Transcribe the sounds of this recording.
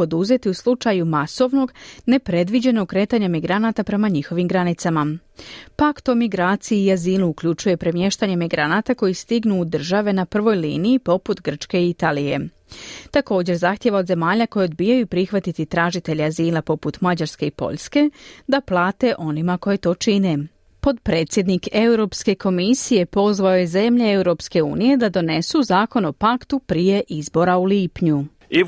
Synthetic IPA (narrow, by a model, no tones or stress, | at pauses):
o̞d̪uze̞t̪iuslˠut͡ʃajumaso̞ʋno̞ɡne̞pɾe̞d̪ʋid͡ʑe̞noɡ̚kɾe̞ːt̪aːɲamiɡɾanat̪apɾe̞maɲixo̞ʋimɡɾanit̪sama | pakt̪o̞miɡɾaːt̪sijiːaziːluukʎut͡ʃuje̞pɾe̞mje̞ʃt̪aɲemiɡɾanat̪ako̞jist̪iɡnuːd̪r̩ʒaʋe̞napr̩ʋo̞jlḭːnijipo̞put̪ɡr̩t͡ʃke̞iit̪aːlije̞̰ | t̪ako̞ːd͡ʑe̞ɾzaxt̪jeʋaod̪ze̞maːʎako̞jeo̞d̪̚biːjajupɾixʋat̪it̪it̪ɾaːʒit̪e̞ʎiaziːlˠapo̞put̪mad͡ʑaɾske̞ipo̞̰ʎske̞d̪aplˠaːt̪e̞ʔo̞nimako̞je̞t̪o̞ːt͡ʃine̞ | po̞t̪pɾe̞ːt̪sʲje̞d̪nike̞wɾo̞ːpske̞kʰo̞misije̞po̞zʋaojeze̞mʎee̞wɾo̞pske̞ṵːnije̞d̪ad̪o̞ne̞suzaːko̞no̞pakt̪upɾije̞ʔizbo̞ɾauliːpɲu | i